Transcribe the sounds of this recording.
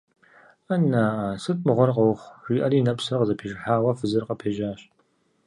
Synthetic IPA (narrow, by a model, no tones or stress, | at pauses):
anaːasɨtʼmɨʁʷɔrqɐwχʷʒʷiːʔɐriːnɐpsɨrqəzɐpʰeːʒɪħaːwɐfɨzɨrqɐpʰeːʒaːɕ